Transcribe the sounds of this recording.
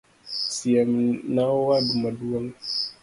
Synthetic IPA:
sijamnawwadumaduwaŋ

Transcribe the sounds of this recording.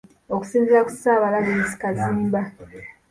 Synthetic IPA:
oku̥siːnziɾaku̥saːβalaβesi̥kaziːmba

